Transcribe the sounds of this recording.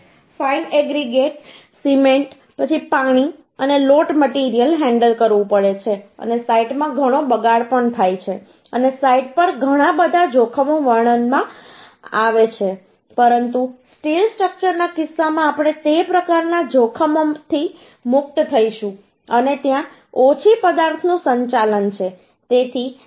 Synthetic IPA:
failɛɡɾiɡeʈ | simeɳʈ | pət͡ʃʰipãɽ̃i | əneloʈməʈiɾijəlɦɛ̃ɳɖəlkəɾʋũpəɭet͡ʃʰeə̰nesaiʈmãɡʱəɽ̃obəɡaɽpəɳt̪ʰajt͡ʃʰe | ənesaiʈ̚pəɾɡʱəɽ̃ãbəd̪ʱad͡ʒokʰəmoʋəɾɳənmã | aʋet͡ʃʰe | pəɾənt̪usʈilsʈɾək̚t͡ʃəɾnakɪsːamãːpɽ̃et̪epɾəkaɾnad͡ʒokʰəmot̪ʰi | mʊk̚t̪t̪ʰəiʃũ | ənet̪jã | ot͡ʃʰipəd̪aɾt̪ʰnũsəɲt͡ʃalənt͡ʃʰe | t̪et̪ʰi

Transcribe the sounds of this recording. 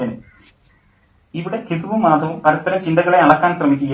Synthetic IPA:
ɐnɨ | iʋiɽe̞t̪ʰiðuʋumːaːd̪ʱɐʋumpɐɾɐt̪ːɐɾɐmt͡ɕind̪ɐɣɐɭe̞ɐɭɐkːaːnɕrɐmikʲːuɣɐ

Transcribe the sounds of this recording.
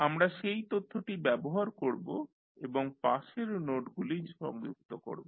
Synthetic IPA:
amɾaʃejt̪ot̪ʰːoʈibɛboɦaɾkoɾbo | eboŋpaʃeɾnoʈɡuliɾʃɔ̰ŋuk̚t̪oko̰ɾbo

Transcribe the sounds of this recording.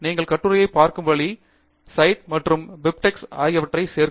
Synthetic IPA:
niːŋɡɐɭkɐʈːɯɾɐjɐɪpaːɾkɯmʋɐɭi | sɐɪʈ̚mɐʈrɯmbɪp̚ʈɛksaːjɐʋɐʈrɐɪseːɾ

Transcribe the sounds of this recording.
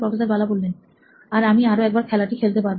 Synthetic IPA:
pɾɔfesaɾbalabolːen | aɾamiaɾoɛk̚baɾkʰɛlaʈikʰelt̪epaɾb

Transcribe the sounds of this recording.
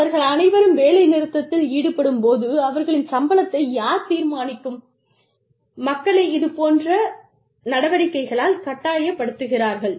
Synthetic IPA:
ɐɾɣɐɭɐnɐɪʋɐɾɯmʋeːlɐɪnɪɾɯt̪ːɐt̪ːɪliːɽɯpːɐɽɯmpoːðɯɐʋɐɾɣɐɭɪnsɐmbɐlɐt̪ːɐɪjaːɾt̪iːɾmaːnɪkːɯm | ɐkːɐɭɐɪɪðɯpoːndrɐ | nɐɽɐʋɐɽɪkːɐɪɣɐɭaːlkɐʈːaːjɐpːɐɽɯt̪ːɯɣɪraːɾɣɐɭ

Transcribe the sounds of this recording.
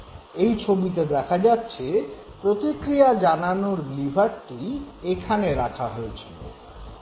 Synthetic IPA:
ejt͡ɕʰobit̪̬ed̪ɛkʰad͡ʑatːɕʰe | pɾot̪ikɾijad͡ʑananoɾlibʱaɾʈiekʰaneɾakʰaɦoet͡ɕʰilo̰

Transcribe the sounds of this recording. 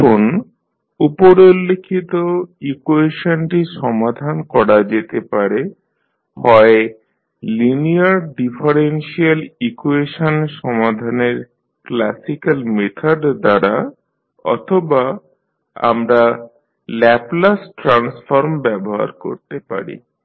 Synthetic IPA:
on | upoɾolːekʰːit̪oikuweʃonʈiʃɔmad̪ʱankɔɽad͡ʑet̪epaɾe | hɔe | liniaɾɖifʰaɾenʃialikueʃonʃɔmad̪ʱaneɾ | klasikalmet̪ʰaɖd̪aɾa | ɔ̰t̪ʰoba | a̰mɾa | lɛplasʈɾansfoɾmbɛboɦa̰ɾko̰ɾt̪epa̰ɾḭ

